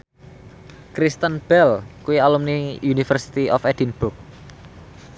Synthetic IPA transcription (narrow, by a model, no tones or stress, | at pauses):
kɾist̪ənb̥ɛlkuialumniunifərsi̥t̪iʔɔfɛd̥inb̥uk̚